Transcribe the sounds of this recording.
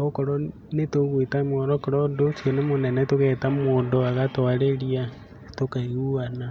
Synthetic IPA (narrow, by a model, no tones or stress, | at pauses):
okoɾɔ | netoɣwetamɔɾɔkoɾɔndosionemonɛnɛtoɣɛtamoːndoaɣatoaɾeɾia | tokaiɣuana